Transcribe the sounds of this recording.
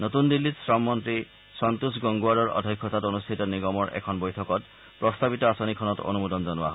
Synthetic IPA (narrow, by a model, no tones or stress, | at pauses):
notundilːitsɹɔmːɔntɹi | sɔntusɡɔŋɡuaɹɔɹɔ̰dʱɔkʰːɔtatonustʰitɔniɡɔmɔɹʔɛ̰kʰɔnbojtʰɔkɔt | pɹɔstabitɔasonikʰɔnɔto̰numudɔnzɔnʊa̰ɦ